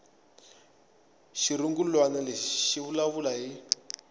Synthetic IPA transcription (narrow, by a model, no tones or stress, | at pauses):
ʃiɾuŋɡulwanɛlɛʃiβulaβulaɦi